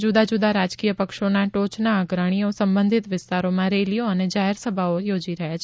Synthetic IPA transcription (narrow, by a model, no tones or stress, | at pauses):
d͡ʒud̪ad͡ʒud̪aɾad͡ʒkijəpəkʃonaʈot͡ʃnaːɡɾəɽ̃iosəmbə̃nd̪ʱit̪ʋɪst̪aɾomãɾelijoəned͡ʒaɦɛɾsəbʱaojod͡ʒiɾəɦjat͡ʃʰe